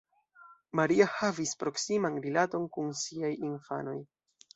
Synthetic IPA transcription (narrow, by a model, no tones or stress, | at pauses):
maɾiahavispɾo̞ksimanɾilato̞nkunsiajinfa̰no̞j